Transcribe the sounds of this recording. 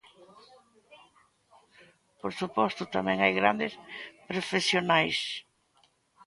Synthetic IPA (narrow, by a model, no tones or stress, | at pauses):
poɾsupɔst̪ʊt̪amɛ̃ŋajɣɾand̪ɪspɾofesjonajs